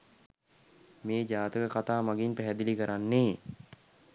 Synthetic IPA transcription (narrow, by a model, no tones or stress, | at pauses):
meːd͡ʒaːt̪əkəkat̪aːmaɡinpæɦɛd̪ilikəɾanːeː